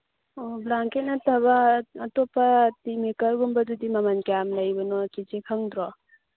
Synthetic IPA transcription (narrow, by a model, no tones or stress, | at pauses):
oblaŋkenatʰaβaːtɔpʰːatimikaɾɡumbadudimamankeamlajbɔnɔkid͡ʒekʰaŋdɾɔ